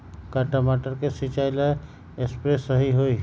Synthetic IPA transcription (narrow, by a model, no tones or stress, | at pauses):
kaʈamaʈəɾkesit͡ʃaila | espɾesəɦiɦoi